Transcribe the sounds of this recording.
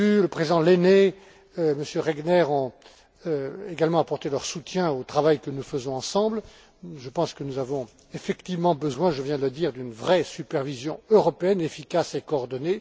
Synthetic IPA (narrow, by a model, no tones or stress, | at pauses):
yləpχezid̪ɑ̃lene | məsjøʁɛɡnɛʁɔ̃ | eɡalmɑ̃apɔʁt̪elœʁsut̪jɛ̃ot̪χavajkənufəzɔ̃ɑ̃sɑ̃bl | ʒəpɑ̃skənuzavɔ̃ | efɛkt̪ivmɑ̃bəzwɛ̃ʒəvjɛ̃d̪ələd̪iʁd̪ynvʁɛsypɛʁvizjɔ̃øʁɔpeɛnefikasekɔːʁd̪ɔne